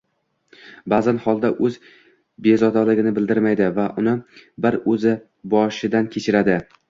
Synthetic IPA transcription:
bazanhɒlˠd̪aʔɵz | bezɒd̪alɪɡʲɪnɪbɪld̪ɪɾmajd̪ɪvaʔʊnɪbɪɾɵzɪ | bɒʃɪd̪ankʲʰe̞t͡ʃʰɪɾad̪ɪ

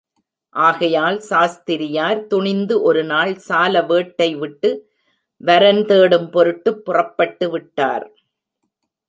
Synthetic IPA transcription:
ʔaːɣɐjaːlsaːst̪ɪɾɪjaːɾt̪ʊɳɪnd̪ɯʔɔɾɯnaːɭsaːlɐʋeːʈːɐɪʋɪʈːɯ | ʋɐɾɐnt̪eːɽɯmpɔɾɯʈːɯpːʊrɐpːɐʈːɯʋɪʈːa̰ːɾ

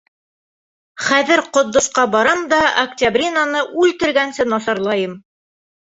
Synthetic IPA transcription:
χæðɘɾqŏt̪ːŏʃqɑbɑɾɑmd̪ɑɐktʲabrʲinanɤʔʉlt̪ɘ̆ɾɡænsɘnɑsɑɾlˠɑjɤm

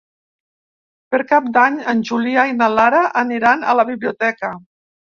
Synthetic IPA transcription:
pəɾkap̚d̪aɲənʲʒuliainəlaɾəʔːniɾanə̰ləβiβliut̪ɛkə

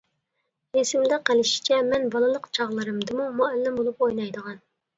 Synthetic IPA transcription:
esɪmd̪ɛqælɪʃi̥t͡ʃʰɛmɛnbɑlˠɨlˠəqt͡ʃʰɑʁlˠɨɾɨmd̪ɨmumuɛlːɪmbolˠupojnɑjd̪əʁɑn

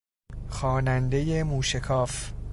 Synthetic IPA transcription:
xɒːnænd̪e̞je̞muːʃekʰɒːf

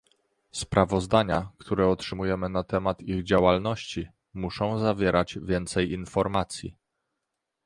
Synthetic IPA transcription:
spɾavɔzd̪aɲakt̪ʰuɾɛɔtʂɘmujɛmɘnat̪ɛmat̪iɣd͡ʑawalnɔɕt͡ɕi | muʂɔ̃w̃zavʲjɛɾʔad͡ʑvʲjɛnt̪sɛjinfɔɾmat̪sʲjḭ

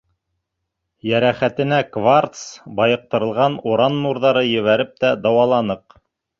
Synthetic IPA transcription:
jæɾæχæt̪ɘ̆nækvart̪sbɑjɤ̆q̚t̪ɤ̆ɾɤ̆lˠʁɑnuɾɑnːuɾðɑɾɤjɵ̆βæɾɘp̚t̪æd̪ɑwɑlˠɑnɤq

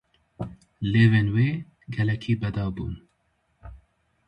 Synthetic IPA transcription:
leːveːnweː | ɡɛlɛkʰiːbɛd̪ɑːbṵːn

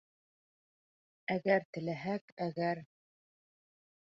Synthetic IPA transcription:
æɡæɾt̪ɘ̆læɦækæɡæɾ

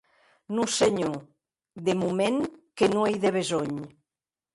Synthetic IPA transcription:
nuseɲu | d̪emumẽŋkenuejðeβ̞ezoɲ

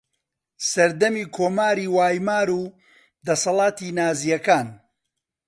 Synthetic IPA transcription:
sɐɾd̪ɐmiːkʰoːmaːɾiːwaːjmaːɾuː | d̪ɐsɐlˠɑːt̪iːnaːzijɐkaːn

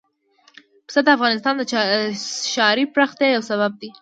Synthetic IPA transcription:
psad̪əafɣɑnɪst̪ɑnd̪ə | ʃɑɾipɾaxt̪ejawsaβab̚d̪i

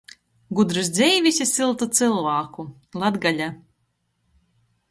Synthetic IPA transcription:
ɡud̪ɾɨsd̪zʲɛjvʲisʲisɨlˠt̪ut̪sɨlˠvaːku | lˠad̪ɡalʲa

